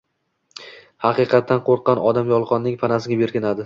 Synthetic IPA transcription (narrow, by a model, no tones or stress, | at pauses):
hɑqɨqʰɑt̪ːanqʰoɾqːɑnɒd̪amjɒlˠqʰɒnːɪŋpʰanasɪɡʲabeɾkʲɪnad̪ɪ